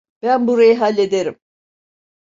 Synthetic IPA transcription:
b̥ænbuɾajɯɦalʲːe̞d̪eɾim

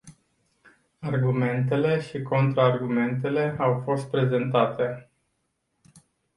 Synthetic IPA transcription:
arɡume̞nt̪̬e̞le̞ʃiko̞nt̪ɾaːrɡume̞nt̪̬e̞le̞awfo̞st̪̚pɾe̞ze̞nt̪at̪e̞

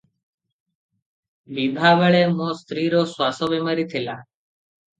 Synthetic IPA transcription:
biːb̪ʱaːʋəɭeːmõːst̪ɾiːɾoːsʋaːsoːʋeːməɾiːt̪ʰɪlaː

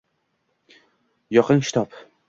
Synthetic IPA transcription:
jɒqʰɨnkʲɪ̥t̪ʰɒp

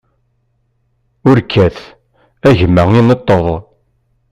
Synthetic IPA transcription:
ʊɾkʰːæθ | æʝəmːæinət̪ˤːəðˤ

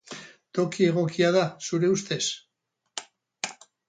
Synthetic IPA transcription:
t̪o̞kie̞ɣ̞o̞kiaðasuɾe̞ust̪e̞s

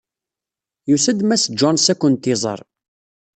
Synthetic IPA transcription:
jusəd̪mæsd͡ʒɔnsækʷːʊnt̪ɪzˤə̰ɾˤ

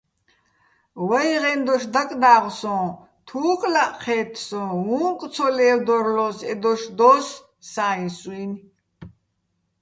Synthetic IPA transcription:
wɛjʁɛnd̪ɔʃd̪akʼd̪aːʁsɔ̃ː | t̪ʰuːkʼlaʔqʰɛːt̪ʰsɔ̃ɦũkʼt͡sʰɔlɛːwd̪ɔɾlɔsɛd̪ɔʃd̪ɔs | saːĩswin

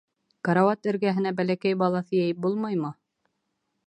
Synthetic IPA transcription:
kɑɾɑwɑt̪ɘ̆ɾɡæɦɘ̆næbælækæjbɑlˠɑθɤjæjɘp̚bulˠmɑjmɤ

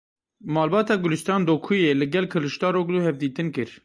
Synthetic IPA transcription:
mɑːlbɑːt̪ɑːɡʊlɨst̪ɑːnd̪oːkʰujelɨɡɛlkʰɨlɨʃt̪ɑːɾoːɡd̪uhɛvd̪iːt̪ɨnkɨɾ

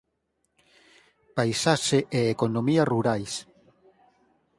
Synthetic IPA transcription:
pajsaʃeʔeekonomiaruɾajs

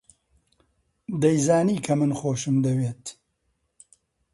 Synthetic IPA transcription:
d̪ɐjzaːniːkʰɐmɨnxoːʃɨmd̪ɐweːt̪

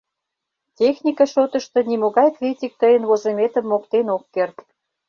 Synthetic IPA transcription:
tʲexnʲikɑʃot̪ə̆ʃt̪ɤ̆nimoɣɑjkrʲitʲik̚t̪əjənβozemet̪ə̆mːokt̪enokːert̪

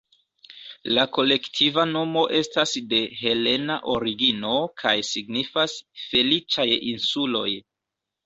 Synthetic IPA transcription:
lako̞le̞ktʰivano̞mo̞ʔe̞stasde̞ɦe̞le̞naʔo̞ɾiɡino̞kʰajsiɡnifasfe̞lit͡ʃajinsulo̞j

